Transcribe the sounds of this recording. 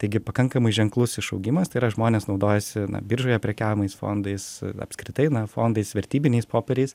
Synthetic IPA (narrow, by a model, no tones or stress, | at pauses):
t̪ɐɪɡʲɪpɐkɐŋkɐmɐɪʒʲɛŋklˠʊsɪʃɐʊɡʲɪmɐst̪ɐɪɾɐʒmoːnʲeːsnɒʊd̪oːjɛsʲɪnɐ̰bʲɪɾʒoːjɛpʲɾʲɛkʲæːʋʲɪmɐɪsfo̰ːnd̪ɐɪsɐ̰pskɾʲɪt̪ɐɪnɐfo̰ːnd̪ɐɪsʋʲɛɾʲt̪ʲiːbʲɪnʲɛɪspoːpʲɛɾʲɛɪs